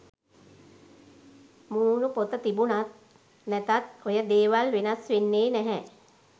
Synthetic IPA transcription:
muːnupot̪ət̪ibunat̪̚ | nɛt̪at̪ojəd̪eːʋalʋenasʋenːeːnɛɦɛ

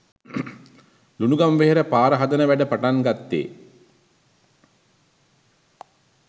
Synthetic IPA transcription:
lunuɡamʋeɦeɾəpaːɾəɦad̪ənəʋæɖəpaʈaŋɡat̪ːḛː

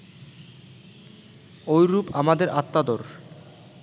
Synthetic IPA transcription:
ojɾupamad̪eɾʔat̪ːad̪oɾ

